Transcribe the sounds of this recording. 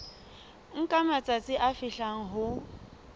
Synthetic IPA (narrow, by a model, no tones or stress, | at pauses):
ŋ̩kʼamat͡sʼat͡sʼɪʔafɪɬaŋ̩ɦʊ